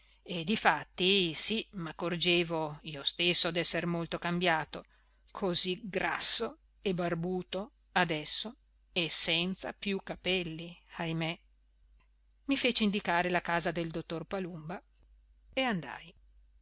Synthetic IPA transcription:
ed̪ifat̪ːisimakːord͡ʒeːvoiːost̪esːod̪ɛsːermolt̪okambjaːt̪o | kʰoziɡɾa̰sːo | ebarbuːt̪o | ad̪ɛsːo | esɛnt̪sa̰pjukːapɛlːiajme | mifeːt͡ʃind̪ikaːɾelakaːzad̪eld̪ot̪ːorpalumba | eand̪a̰j

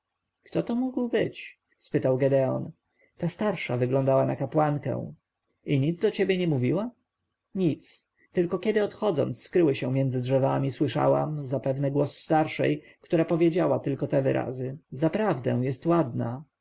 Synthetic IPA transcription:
kt̪ɔt̪ɔmuɡwbɘt͡ɕ | spɘt̪awɡɛd̪ɛɔ̰n | t̪ast̪aɾʂavɘɡlɔ̃nd̪awanakapwaŋkɛ̰w̃ | iɲid̪zd̪ɔt͡ɕɛbʲjɛɲɛmuvʲiwa | ɲit̪s | t̪ɘlkɔkʲɛd̪ɘɔt̪xɔd̪zɔ̰nt̪ssːkɾɘwɘɕɛ̃mʲjɛnd̪zɘdʐɛvamʲiswɘʂa̰wa̰mzapɛvnɛɡwɔsːt̪aɾʂɛ̰j | kt̪uɾapɔvʲjed͡ʑawat̪ɘlkɔt̪ɛvɘ̰ɾʔa̰zɘzapɾavd̪ɛ̰w̃jɛst̪wad̪na

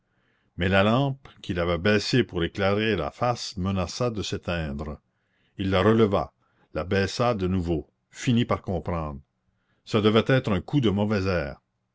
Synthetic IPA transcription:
mɛlalɑ̃ːpkʰʲilavɛbɛːsepuʁeklaʁela̰fasmənasad̪əset̪ɛ̃ːd̪ɾ | ilːaɾələva̰ | labɛːsad̪ənuvo | finipaʁkɔ̃ːpɾɑ̃ːd̪ʁə | səd̪əvɛt̪ɛːt̪ʁœ̃ːkud̪əmɔvɛzɛːʁ

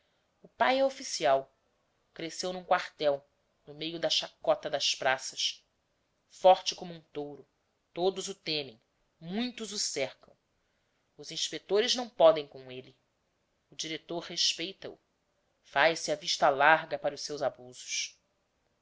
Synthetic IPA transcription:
ʊpajɛofisiaw | kɾesewnũŋkwaɾt̪ɛw | nʊmejʊd̪ɐʃakɔt̪ɐd̪ɐspɾasɐs | fɔɾt͡ʃɪkõmuũt̪owɾʊ | t̪od̪ʊzʊt̪ẽmẽj̃ | mũj̃t̪ʊzʊsɛɾkɐ̃w̃ | ʊzĩʃpek̚t̪oɾɪznɐ̃w̃pɔd̪ẽj̃kõelɪ | ʊd͡ʒiɾet̪oɾheʃpejt̪ɐ̰ṵ | fajsɪɐviʃt̪ɐlaɾɡɐpaɾɐʊsewzabuzʊ̥ʃ

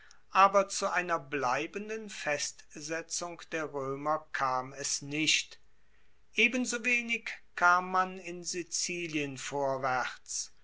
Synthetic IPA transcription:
ʔaːbɐt͡suʔaɪnɐblaɪbəndənfɛstz̥ɛt͡sʊŋkd̥eːɐʁøːmɐkʰaːmɛsnɪʃt | ʔeːbənzoːveːnɪkkʰːaːmːanɪnzit͡siːliənfoːɐvɛʁt͡s

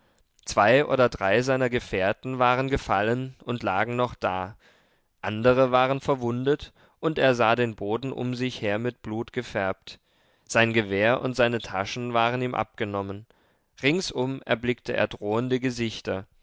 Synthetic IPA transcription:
t͡sv̥aɪʔo̰ːdɐdʁaɪzaɪnɐɡəfeːɐtn̩vaːʁənɡəfalənʊntla̰ːɡŋ̩nɔχd̥a̰ː | ʔandəʁəvaːʁənfɛɐvʊndət | ʔʊnteːɐzaːdeːnboːdn̩ʔʊ̰mzɪçheːɐmɪt̚b̥luːtɡ̥əfɛɐp̚t | z̥aɪnɡəveːɐʔʊ̰ntz̥aɪnətʰaʃn̩vaːʁəniːmʔa̰p̚ɡ̥ənɔmən | ʁɪŋsʔʊmɛ̰ɐblɪktəʔḛːɐdʁoːəndəɡəzɪçtɐ

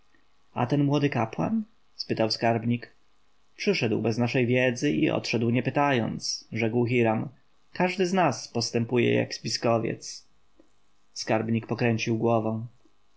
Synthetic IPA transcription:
a̰t̪ɛnmwɔd̪ɘkapwa̰n | spɘt̪awskaɾbɲik | pʂɘʂɛd̪wbɛznaʂɛjvʲjɛd̪zɘḭɔ̰tʂɛd̪wɲɛpɘt̪ajɔ̰nt̪sʐɛkwxiɾam | kaʐd̪ɘznaspɔst̪ɛmpujɛ̰ja̰ɡspʲiskɔvʲjɛ̰t̪s | skaɾbɲik̚pɔkɾɛɲt͡ɕiwɡwɔvɛ̃w̃

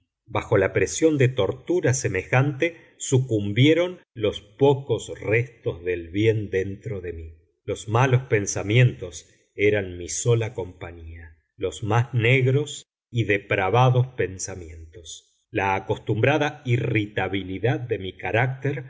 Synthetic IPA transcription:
baxo̞lapɾesjo̞nd̪et̪o̞ɾt̪uɾasemexant̪e | sukumbjeɾo̞n | lo̞spokosrest̪ozðelβje̞nd̪ent̪ɾo̞ðemi | lo̞zmalo̞spe̞nsamje̞nt̪o̞s | eɾanmiso̞lako̞mpaɲia | lo̞zmazneɣɾo̞s | iðepɾaβaðo̞spensamje̞nt̪os | laːko̞st̪umbɾaðairit̪aβiliðad̪ːe̞mikaɾak̚t̪eɾ

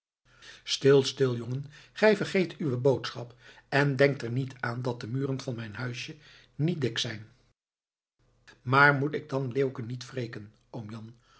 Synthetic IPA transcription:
stɪlˠstɪlˠjoŋənχɛjvəɹχejtʰyʋəbowtsχɑpɛndɛŋk̚tɛɹnitʰaːndɑt̚dəmyːrənvɑnmɛjnɦœɥʃjə | nit̚dɪksɛjn | maːɹmutɪɡ̚dɑnleːwkənːitfrejkən | omjɑn

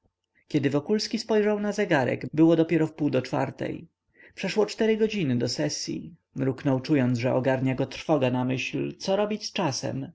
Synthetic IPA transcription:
kʲɛd̪ɘvɔkulskʲispɔjʐawnazɛɡaɾɛ̰ɡbɘwɔd̪ɔpʲjɛɾɔfpuwd̪ɔt͡ʂfa̰ɾt̪ɛ̰j | pʂɛʂwɔt͡ʂt̪ɛɾɘɡɔd͡ʑinɘd̪ɔsɛsʲjḭ | mɾuknɔwt͡ʂujɔnd̪zʐɛʔɔɡaɾɲaɡɔt̪ɾfɔɡanamɘɕlt̪sɔɾɔbʲit͡ɕʲst͡ʂasɛ̰m

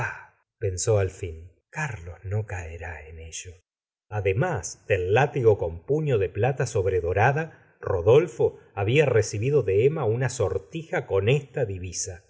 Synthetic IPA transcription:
a | pe̞nso̞alfin | kaɾlo̞zno̞kaeɾaeneʒ̥o | aðemasd̪̥elːat̪iɣo̞ko̞mpuɲo̞ðe̞plat̪aso̞βɾeðo̞ɾaða | roðo̞lfo̞aβiaresiβiðoðeemaunaso̞ɾt̪ixako̞nest̪aðiβisa

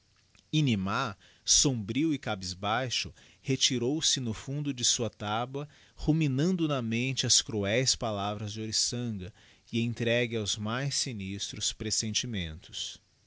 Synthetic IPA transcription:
inima | sõbɾiwɪkabizbajʃʊ | het͡ʃiɾowsɪnʊfũnd̪ʊd͡ʒɪsuɐt̪abɐ | huminɐ̃nd̪ʊnɐmẽnt͡ʃɪɐskɾuɛjspalavɾɐzd͡ʒɪoɾisɐ̃ɡɐ | ɪẽnt̪ɾɛɡɪawzmajsinist̪ɾʊspɾesẽnt͡ʃimẽnt̪ʊ̥s

